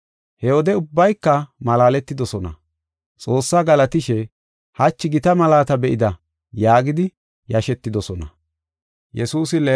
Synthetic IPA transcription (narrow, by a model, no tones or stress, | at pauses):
hɛwɔd̪ɛʊbːɐjkːɐmɐlaːlɛt̪ːɪd̪ɔsɔnɐ̰ | t͡sʼo̞ːsːaːɡɐlɐt̪ɪʃɛ | hɐt͡ʃːɪɡɪt̪ɐmɐlaːt̪ɐbɛʔɪd̪ɐ | jaːɡɪd̪ɪ | jɐʃɛt̪ːɪd̪ɔsɔnɐ̰ | jɛsuːsɪlɛ